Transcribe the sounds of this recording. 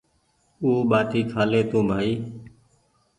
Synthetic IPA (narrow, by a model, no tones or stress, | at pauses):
uːɓaːʈ̪iːkʰaːleːt̪ũːbʱaːiː